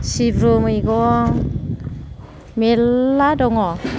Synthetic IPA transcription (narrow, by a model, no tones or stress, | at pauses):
sibɾomɯjɡɔŋ | melːadɔŋɔ